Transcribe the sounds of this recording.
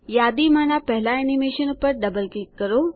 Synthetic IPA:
jaːd̪imanapɛɦlaenimeːʃənpəɾɖɐbəlkikːəɾo

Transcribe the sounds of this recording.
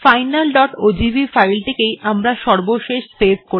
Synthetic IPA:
fajnalɖɔʈod͡ʑibʱifajlt̪ʰekejʔamɾaʃɔɾboʃeʃsebko

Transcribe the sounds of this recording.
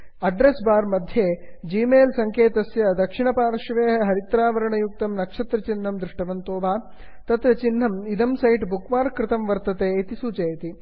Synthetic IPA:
ɐɖɾesbaːɾmɐd̪ʱjeːd͡ʒiːmeːlsɐŋkeːt̪ɐsjɐd̪ɐkʂiɳɐpaːɾʃɐʋeːɦɐɾit̪ɾaːʋɐɾɐɳɐjuk̚t̪ɐmnɐkʂɐt̪ɾɐt͡ʃinːɐmd̪ɾuʂʈɐʋɐnt̪oːʋaː | t̪ɐt̪ɾɐt͡ʃinːɐmid̪ɐmsɐjʈbukʋaːɾkɾɪt̪ɐmʋɐɾt̪ɐt̪eːit̪isuːt͡ʃɐjt̪i

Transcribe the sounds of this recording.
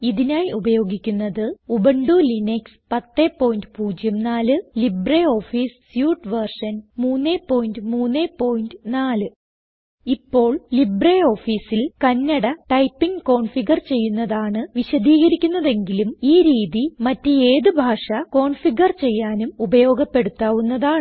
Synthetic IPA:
iðinaːjubɐjo̞ːɡikʲːunːɐðɨubɐɳɖulinekspɐt̪ːe̞ːpːo̞ːjndɨpuːd͡ʑjɐmnaːlɨlibreo̞ːfiːssjuːʈʋɐrʂɐnmuːnːeːpːo̞ːjindɨmuːnːeːpo̞ːjindɨnaːlɨ | ipːo̞ːɭlibreo̞ːfiːsilkɐnːɐɽɐʈɐjpːiŋko̞ːɳfiɡɐrt͡ɕe̞jːunːɐðaːɳɨʋiɕɐd̪ʱiːɣɐɾikʲːunːɐðe̞ŋɡilumiːɾiːðimɐtːeeːðɨbʱaːʂɐko̞ːɳfiɡɐrt͡ɕe̞jːaːnumubɐjo̞ːɡɐpːe̞ɽut̪ːaːʋunːɐðaːɳɨ

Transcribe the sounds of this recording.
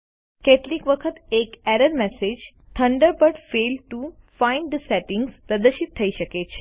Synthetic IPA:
keʈlikʋəkʰət̪ekɛɾəɾmɛsed͡ʒ | t̪ʰəɳɖəɾpəʈfelʈu | fãiɳɖd̪əsɛʈɪ̃ŋɡzpɾəd̪əɾʃit̪ʰːəiʃəket͡ʃʰe̥

